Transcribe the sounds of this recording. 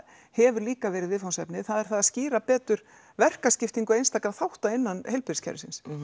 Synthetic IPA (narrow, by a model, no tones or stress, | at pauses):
hɛvʏɾliːkavɛːɾɪðvɪðfawnsɛpnɪθaðɛɾ̥θaðasciːɾapɛːt̪ʏɾ̥ | vɛr̥kascɪft̪iŋkʏejnst̪aːkaθawht̪aɪnːanhejlpɪɾɪscʰɛ̰ɾʏsɪns